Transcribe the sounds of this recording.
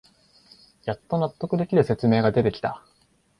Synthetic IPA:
jat̪ːo̞nat̪ːo̞kɯ̟d̪e̞kʲiɾɯ̟se̞t͡sɨme̞ːɡad̪e̞t̪e̞kʲi̥t̪a

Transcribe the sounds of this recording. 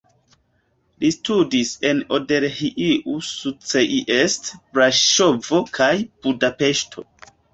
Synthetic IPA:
listudiseno̞de̞ɾhiʔiʔusut͡seʔiʔestbɾaʃo̞vo̞kʰajb̥udape̞ʃtʰo̞̰

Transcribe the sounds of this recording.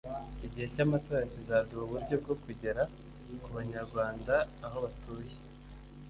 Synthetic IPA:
iɟihe̞camatoːɾacizaduuβuɾɟo̞bɡo̞kuɟe̞ɾa | kuβaɲaɾɡwaːndaːho̞βatuːje

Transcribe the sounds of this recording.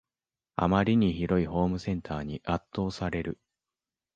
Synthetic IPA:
a̰maɾʲiɲ̟içiɾo̞iho̞ːmɯ̟sẽ̞nt̪ʰaːɲ̟iʔat̪ːo̞ːsaɾe̞ɾɯ̟

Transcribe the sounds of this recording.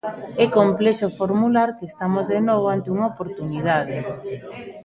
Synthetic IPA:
ɛkomplɛʃofoɾmulaɾkest̪amozðenoβ̞oant̪euŋaopoɾt̪unið̞aðe

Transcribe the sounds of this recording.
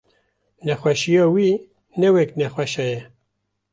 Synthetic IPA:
nɛxwɛʃijɑːwiː | nɛwɛknɛxʷwɛʃɛjɛ

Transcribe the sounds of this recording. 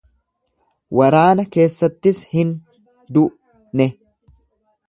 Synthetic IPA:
wʔɐɾaːnɐke̞ːsːɐt̪ːɪshɪn | d̪ʊʔ | nɛ

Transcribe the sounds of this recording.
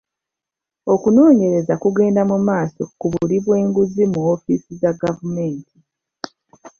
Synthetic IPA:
o̞kuno̞ːɲe̞ɾe̞zakuɡe̞ːndamumaːso̞kuβuliβwe̞ːŋɡuzimuofiːsizaɡavume̞ːntʰi

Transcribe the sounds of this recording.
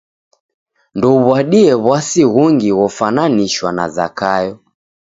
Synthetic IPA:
ndɔβwaɗiɛβwasiɣuŋɡiɣɔfananiʃwana̰za̰kajɔ

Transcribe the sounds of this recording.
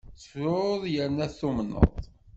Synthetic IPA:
t͡sə̥fɾʊðˤjəɾnæθumnːə̰ðˤ

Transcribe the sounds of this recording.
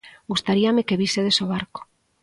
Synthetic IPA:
ɡust̪aɾiamekeβiseðesoβ̞aɾko̥

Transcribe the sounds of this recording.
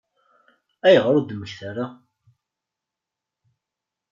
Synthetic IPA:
æjəʁɾˤud̪mːəçθaɾa

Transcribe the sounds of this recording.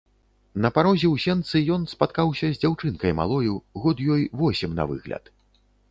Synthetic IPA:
nɐpaɾɔzʲɛwsʲɛnt̪sɨjɔnspat̪̚kawsʲɐzʲd͡zʲawt͡ʂɨnkɐjma̰lˠɔjuɣɔt̪jɔjvɔsʲɛmnɐ̰vɨ̰ɣlʲɐ̰t̪

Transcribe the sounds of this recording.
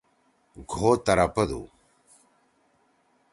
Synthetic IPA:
ɡʱoːt̪ɐɾɐpɐd̪ṵ

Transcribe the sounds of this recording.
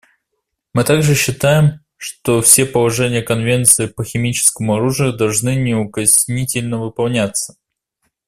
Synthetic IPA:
mɨt̪aɡʐɨɕːɪt̪ajɪm | ʂt̪ofsʲe̞pəlˠɐʐɛnʲɪjəkənvʲe̞nt̪sɨɪpəxʲɪmʲit͡ɕɪ̥skəmʊɐɾuʐɨjʊd̪ɐlˠʐnɨnʲɪʊkɐsʲnʲitʲɪlʲnəvɨpɐlˠnʲat̪sə̥

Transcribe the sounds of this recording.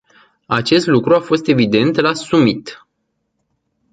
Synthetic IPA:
at͡ʃe̞st̪lukɾuafo̞st̪e̞vid̪e̞nt̪lasumit̪

